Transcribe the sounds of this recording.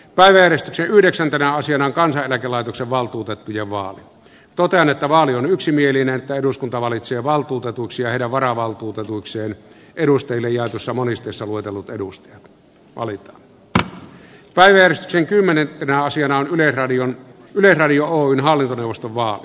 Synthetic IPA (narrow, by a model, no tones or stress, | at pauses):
pæˑiʋæjærest̪yksenyhdeksænt̪enæɑsiɑnɑoŋkɑnsɑʔelækelɑˑeit̪okseʋʋɑlt̪uːt̪et̪ːujeʋɑ̰ːli | t̪ot̪eɑnet̪ːæʋɑːlionyksimielinenet̪ːæeduskunt̪ɑʋɑlit̪seːʋɑlt̪uːt̪et̪uiksiɑheˑiɾæʋʋɑrɑʋɑlt̪uːt̪et̪uikseːn | ʔeɾust̪ɑjilːejjɑˑet̪usːɑmonist̪ˑeˑisːɑluet̪elːut̪eust̪ɑjɑt̪ | ʋɑ̰lit̪ɑ̥ːn | pæˑiʋæjærest̪y̥kseŋkymːenet̪enæɑsiɑnɑonyleɑion | ylesrɑdiooːynhɑlːint̪oneˑuwʋˑost̪oʋʋɑːli